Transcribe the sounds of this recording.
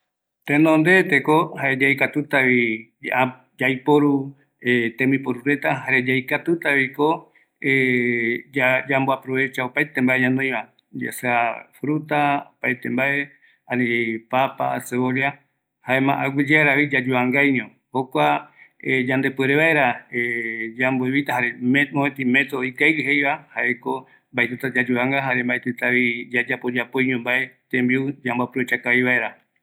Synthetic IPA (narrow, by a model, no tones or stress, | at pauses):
t̪enõnd̪et̪ekohaed͡ʒajkat̪ut̪aβi | d͡ʒajpoɾu | et̪emĩpoɾuɾe̞t̪aɦaɾed͡ʒajkat̪ut̪aβiko | e | ad͡ʒamboapɾo̞βe̞t͡ʃaopajt̪e̞mbaʔeɲãnõj̃βa | d͡ʒḛseafɾut̪aopajt̪e̞mbaʔe̞ | ãnĩd͡ʒepapa̰ːseβoɾja | haemã̰ʔaɡʷid͡ʒeaɾaβid͡ʒad͡ʒuaŋɡajnĩõ | hokʷa | d͡ʒãnd̪e̞peɾeβaeɾaed͡ʒambueβit̪aɦaɾeemoet̪ime̞t̪ɾoikajɾiɦejβahaʔeko | mbaet̪et̪ad͡ʒad͡ʒuaŋɡaɦaɾe̞mbaʔet̪ɨt̪aβid͡ʒad͡ʒapod͡ʒapojɲũmbaet̪ẽmbiud͡ʒambapɾuet͡ʃakaiβaʔeɾa